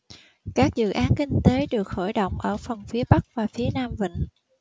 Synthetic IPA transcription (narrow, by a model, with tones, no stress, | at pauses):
kaː˦˥k̚zɨ̰˧˨ʔaː˨˦nkï˧ŋ̟t̪e˨˦ɗɨ˨˩ək̚xo̰˧˩jɗo̰˧˨wŋ͡mʔəː˧˩fə˨˩nfi˨˦əɓa˦˥k̚vaː˨˩fi˨˦ənaː˧mvḭ̈˧˨ŋ̟